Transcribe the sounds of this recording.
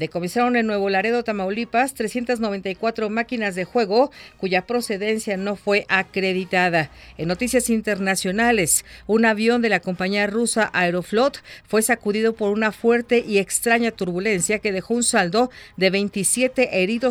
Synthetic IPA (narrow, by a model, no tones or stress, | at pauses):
d̪e̞ko̞mensaɾo̞ne̞lnwe̞β̞olaɾe̞ðo̞t̪amawlipast̪ɾesje̞nt̪aznoβe̞nt̪ajkwat̪ɾo̞makinazðe̞xwe̞ɣo̞kuʝapɾo̞se̞ðe̞nsjano̞fwe̞ʔakɾe̞ðit̪aðaenːo̞t̪isjasint̪e̞ɾnasjo̞nale̞sunaβjo̞nd̪e̞lako̞mpaɲiarusaʔaeɾo̞flo̞t̪fwe̞sakuðiðo̞po̞ɾunafwe̞ɾt̪e̞ʔie̞kst̪ɾaɲat̪uɾβule̞nsjake̞ð̞e̞xo̞unsald̪o̞ðe̞βe̞jnt̪isje̞t̪e̞ʔeɾiðo̞